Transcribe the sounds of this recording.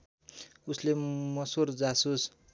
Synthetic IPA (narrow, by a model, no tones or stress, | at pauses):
uslemʌsord͡zasus